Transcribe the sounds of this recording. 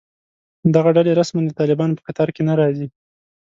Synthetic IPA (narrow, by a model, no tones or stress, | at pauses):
d̪aɣaɖaleɾasmand̪ət̪ɑlɪbɑnopə̥kat̪ɑɾkenaɾɑzi